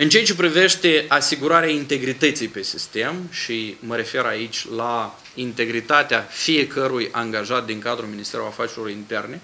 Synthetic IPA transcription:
ɨnt͡ʃejat͡ʃe̞p̬ɾive̞ʃt̪e̞asiɡuɾaɾeaint̪e̞ɡɾit̪ət̪sijpe̞sist̪e̞mʃiməɾe̞fe̞ɾait͡ʃʲla | int̪e̞ɡɾit̪at̪eafije̞kʰəɾujaŋɡaʒat̪̚d̪iŋkad̪ɾuminist̪e̞ɾulafat͡ʃeɾoint̪e̞rne̞

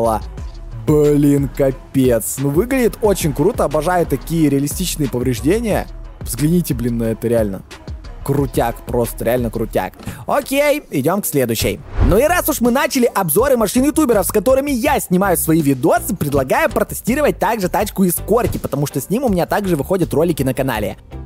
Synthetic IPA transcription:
lˠə̰ | blʲinkɐpʲet̪snuvɨɡlʲɪdʲɪt̪o̞t͡ɕɪnʲkɾut̪əɐbɐʐajʊt̪ːɐkʲijəɾʲɪɐlʲɪsʲtʲit͡ɕnɨjəpəvɾʲɪʐdʲenʲɪjə̰vzɡlʲɪnʲitʲɪblʲinːɐɛt̪əɾʲɪalʲnə̰kɾʊtʲakpɾo̞st̪əɾʲɪalʲnəkɾʊtʲa̰kokʲejɪdʲo̞mksʲlʲed̪ʊɕːɪ̰jnoɪɾasʊʂmɨnat͡ɕɪlʲɪʔɐbzo̞ɾɨmɐʂɨnjɪt̪ubʲɪɾəfskɐt̪o̞ɾɨmʲɪjasʲnʲɪmajʊsvɐivʲɪd̪o̞t̪sɨpɾʲɪd̪lˠɐɡajʊpɾət̪ɨsʲtʲiɾəvət̚ʲt̪aɡʐɨt̪at͡ɕkʊɪsko̞rkʲɪpət̪ɐmuʂt̪o̞sʲnʲimʊmʲɪnʲat̪aɡʐɨvɨxo̞dʲət̪ro̞lʲɪkʲɪnəkɐna̰lʲɪ̰

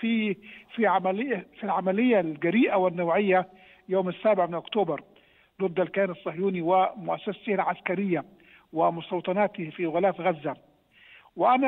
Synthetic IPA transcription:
fifiʕamalɪːfilʕamalɪjːalɡaɾiːʔawɪnːawʕɪjːa | joːmɪsːaːbɪʕmɪnʔʊkt̪uːbɑɾˤ | d̪ʊdd̪alkaːnɑsˤːɑhjuːniwɪmʊʔasːast̪ɪhlʕaskaɾɪjːa | wɪmʊst̪ɑwt̪ˤɑnaːt̪ɪfiɣʊlaːfɣazːa | wɪʔana

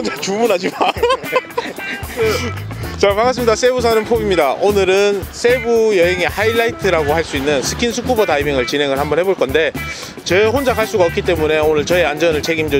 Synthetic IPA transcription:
d͡ʑet͡ɕumunɦad͡ʑima | t͡ɕakaŋas̬͈ɯmɲidas͈ʰe̞busʰanɯnpʰobimɲidaʔonɯɾɯns͈ʰe̞bujʌɦeŋehailːaitʰɯɾaɡohaɭs͈uinːɯnsʰɯkʰinsʰuk͈ubʌtaibiŋɯɭt͡ɕinɦe̞ŋɯɭhambʌnɦe̞boɭk͈ʌnde̞ | t͡ɕehond͡ʑakʰaɭs͈uɡaʌk͈it͈e̞mune̞onɯɭt͡ɕʌeand͡ʑʌnɯɭt͡ɕʰe̞ɡimd͡ʑo

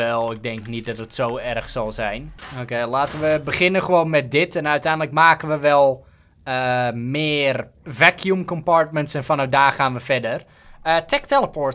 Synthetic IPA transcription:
ɛlˠɪɡ̚dɛŋknit̚dɔtətsoːɛrxsɔlˠzɛjnokeːlaːtəʋəbəχɪnəχəʋoːnmɛt̚dɪtʰɛnœɥtɛjndləkmaːkənʋəʋɛlˠ | əmɪːərvɛkʰjumkɔmparɹtməntsɛnfɔnɔdaːrχaːnʋəfɛdər | ətʰɛk̚tɛlˠəpʰoɹt

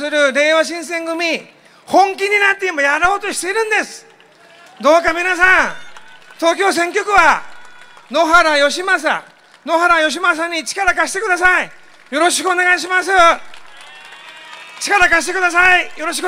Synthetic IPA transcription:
sɨɾɯ̟ɾe̞ːβaɕ̬ĩsẽ̞ŋɡɯ̟mʲi | hõ̞ŋkʲiɲ̟inat̪ːeimojaɾoːt̪o̞ɕi̥t̪e̞iɾɯ̟̃nd̪e̞sɨ̥ | d̪o̞ːkamʲinas̬ãŋ | t̪o̞ːk̬ʲo̞ːs̬ẽ̞ŋk̬ʲːo̞kɯ̟βa | no̞ɦaɾajo̞ɕimas̬a̰ | no̞ɦaɾajo̞ɕ̬imas̬ãɲ̟ːit͡ɕi̥kaɾakaɕi̥t̪e̞kɯ̟d̪as̬ai | jo̞ɾo̞ɕi̥kɯo̞ne̞ɡaiɕ̬imas̬ɨ | t͡ɕi̥kaɾakaɕi̥t̪e̞kɯd̪as̬aijo̞ɾo̞ɕ̬i̥k

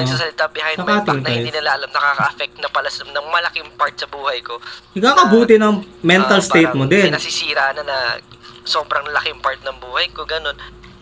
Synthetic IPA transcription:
sasɐlɪt̪abjɪhajnɐaːt̪ɪŋɐpɐj̪inɐlaʔɐlɐmnɐkaːkɐʔɐfɛk̚t̪̚nɐpɐlɐsɐmnɐŋmɐlɐkɪŋpaɹt̪̚sɐbuːhɐjkohɐɡakɐbuːt̪ɪnɐŋmɛnt̪ɐlst̪ejt̚mod̪ɛnnɐsisiːɾaʔnɐnɐso̞ːbɾɐŋlɐlɐkɪŋpaɹt̪̚nɐŋbuːhɐjkoɡɐno̞n

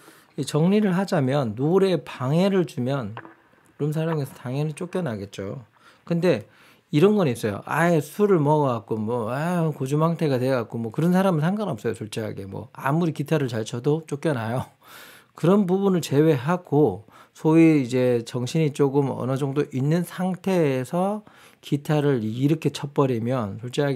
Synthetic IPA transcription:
it͡ɕʌŋɲiɾɯɭɦad͡ʑamjʌnːoɾe̞paŋe̞ɾɯɭt͡ɕumjʌn | ɾums̬ʰaɭʌŋesʰʌtaŋjʌnit͡ɕ͈ok͈jʌnaɡe̞t̚t͡ɕ͈o̰ | kɯnde̞ | iɾʌnɡʌniːs͈ʌjo̰ʔa̰esʰuɾɯɭmʌɡak̚k͈omwʌakod͡ʑumhaŋtʰe̞ɡateɡak̚k͈omwʌkɯɾʌnsʰaɾaminsʰaŋɡanʌp̚s͈ʌjosʰoɭt͡ɕ͈eɦa̰ɡe̞̰mwʌ̰a̰muɾikitʰaɾɯɭt͡ɕaɭt͡ɕʰʌdot͡ɕ͈ok͈jʌnɦajo | kɯɾʌnbubunɯɭt͡ɕe̞we̞ɦaɡ̥osʰoiːd͡ʑe̞t͡ɕʌŋɕʰiɲit͡ɕ͈oɡɯmʌ̰nɯd͡ʑʌŋdoʔinːɯnsʰaŋtʰe̞ːsʰʌ | kitʰaɾɯɭiɾʌkʰe̞t͡ɕʰʌp͈ʌɾimjʌnsʰoɭt͡ɕ͈eɦaɡ

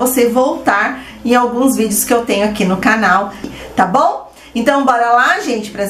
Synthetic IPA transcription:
osevowt̪aɾ | ẽawɡũzvid͡ʒɪʊskɪewt̪ẽɲʊakinʊkanawt̪abõw̃ | ẽnt̪ɐ̃w̃bɔɾɐlaʒẽnt͡ʃɪ̥pɾɐ

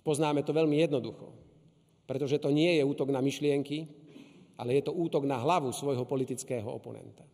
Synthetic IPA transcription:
pɔznaːmɛt̪ɔʋɛlmijɛd̪nɔd̪uxɔ̰ | pɾɛt̪ɔʒɛt̪ɔɲɪɛjɛuːt̪ɔɡnamiʃlɪɛŋki | ʔa̰lɛjɛt̪ɔuːt̪ɔɡnaɦlaʋusʋɔjɦɔpɔlit̪it͡skɛːɦɔ̰ɔ̰pɔnɛ̰nt̪ḁ

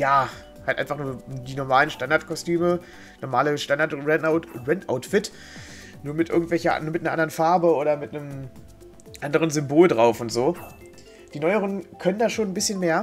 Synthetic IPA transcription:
jaː | haltʔaɪnfaχnuːɐdiːnɔɐmaːlənʃtandaɐtkʰɔstyːmə | nɔɐmaːləʃtandaɐtʁɛnaʊtʁɛntʔaʊtfɪt | nuːɐmɪtʔɪ̰ɐɡŋ̩tv̥ɛlçɐ̰nuːɐmɪtneɐʔandɐʁənfaɐbəʔoːɾɐmɪtnəm | ʔandəʁ̞ənzʏmboːldʁaʊfʊntz̥oː | d̥iːnɔʏəʁənkʰœnəndaːʃoːnnbɪsçənmeːɐ

